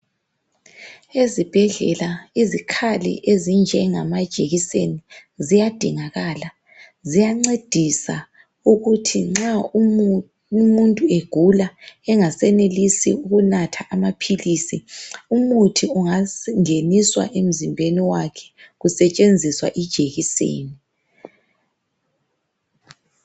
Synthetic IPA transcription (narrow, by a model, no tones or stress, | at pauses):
ezib̥ʱɛɮɛ̰laizikʰalḭʔezind͡ʒʱɛŋa̰mad̥ʒ̥ʱeɣisenizijad̥ʱiŋaɣaːla | zijaŋ͡ǀed̥ʱisa̰ | uɣutʰiŋ͡ǁau | muntʼueɡ̥ʱulaɛŋasɛnelisḭuɣunatʰaʔamapʰilisiumutʰiuŋaŋeniswa̰ʔem̩zimbʱeniwakʰɛ̥ɣusɛt͡ʃʼend͡zʱiswa̰ʔid̥ʒ̥ʱeɣisḛːni